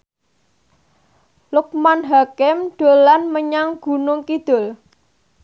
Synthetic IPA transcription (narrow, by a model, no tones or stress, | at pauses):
lʊk̚manɦakɪmd̪̥o̤lanməɲaŋɡ̥ṳnʊŋkid̪̥ʊ̤l